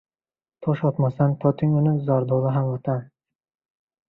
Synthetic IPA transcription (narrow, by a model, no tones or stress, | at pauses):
t̪ʰɒʃɒt̪masanpʰɒt̪ʰɪŋʊnɪzɒɾd̪olˠaɦamvat̪ʰan